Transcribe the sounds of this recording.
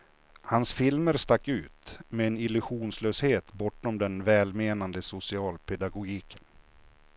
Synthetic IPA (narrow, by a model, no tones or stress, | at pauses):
hansfɪlməɾst̪akːʉ̟ːt̪mɛːnɪlɵɧuːnsløːsheːt̪bɔʈːɔmd̪ɛnvɛːlmeːnand̪əsʊsɪɑːlpʰɛd̪aɡʊɡiːkʰən